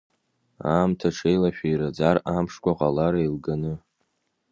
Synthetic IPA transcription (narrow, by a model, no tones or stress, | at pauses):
a̰ːmtʰaʈ͡ʂʰejlaʃᶣajɾad͡zarampʂkʷaqʼalaɾailɡanɨ